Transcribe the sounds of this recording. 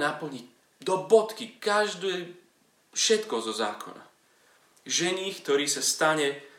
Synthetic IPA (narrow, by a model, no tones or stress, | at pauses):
napl̩ɲi | d̪ɔbɔt̪kikaʒd̪ɛː | fʃɛt̪kɔzɔza̰ːkʰɔ̰na̰ | ʒɛɲiːkt̪ɔɾiːsast̪aɲɛ